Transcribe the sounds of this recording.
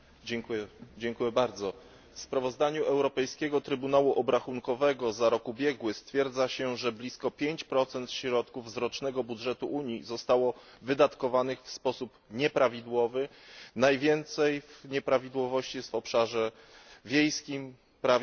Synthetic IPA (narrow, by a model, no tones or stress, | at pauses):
ɛŋkuɛd͡ʑɛŋkujɛbaɾd̪zɔ | fspɾavɔzd̪aɲuʔɛwɾɔpɛjskʲɛɡɔt̪ɾɘbunawuʔɔbɾaxuŋkɔvɛɡɔzaɾɔkubʲjɛɡwɘst̪fʲjɛɾd̪zaɕɛʐɛblʲiskɔpʲjeɲt͡ɕpɾɔt̪sɛnt̪ɕɾɔt̪kuvzɾɔt͡ʂnɛɡɔbudʐɛt̪uʔuɲizɔst̪awɔvɘd̪at̪kɔvanɘxfspɔsupɲɛpɾavʲid̪wɔvɘnajvʲjɛnt̪sɛjvɲɛpɾavʲid̪wɔvɔɕt͡ɕijɛst̪vɔpʂaʐɛ | vʲjejskʲim | pɾav